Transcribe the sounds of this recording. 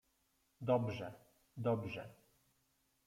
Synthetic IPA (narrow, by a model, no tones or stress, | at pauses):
d̪ɔbʐɛ | d̪ɔbʐɛ